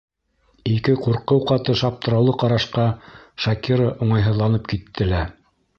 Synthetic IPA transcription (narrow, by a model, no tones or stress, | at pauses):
ikɘquɾqɤwqɑt̪ɤʃɑp̚t̪ɤ̆ɾɑwlˠɤqɑɾɑʃqɑʃɑkiɾəʔuɴɑjɦɤ̆ðlˠɑnɤp̚kit̪ʰːɘ̆læ